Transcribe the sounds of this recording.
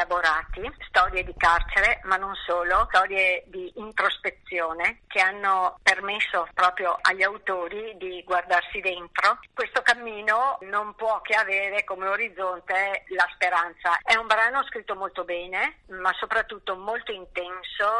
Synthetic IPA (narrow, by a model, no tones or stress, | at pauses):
aboɾaːt̪ist̪ɔːɾjed̪ikart͡ʃeɾemanːonsoːlot̪ɔːɾjed̪iːnt̪ɾospet̪sːjoːnekʰeanːopermesːopɾɔːpɾjoʔaʎːawt̪oːɾid̪iɡward̪arsid̪ent̪ɾokwest̪okamːiːnonompwɔkːeaveːɾekomeoɾid̪zːont̪elaspeɾant̪saɛumbɾaːnoskɾit̪ːomolt̪obɛːnemasopɾat̪ːut̪ːomolt̪oint̪ɛnso